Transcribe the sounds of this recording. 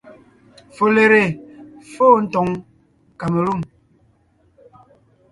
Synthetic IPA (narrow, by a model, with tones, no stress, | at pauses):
fo˨le˨ɾe˨foː˦n̩˦tɔ˨˦ŋ | ka˨me˨lu˦˨m